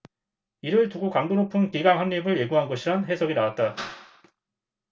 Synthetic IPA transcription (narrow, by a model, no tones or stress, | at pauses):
iɾɯɭtuɡokaŋdonopʰumkiɡaŋɦanɲibɯɭje̞ɡuɦanɡʌɕʰiɾanɦe̞sʰʌɡinawat̚t͈a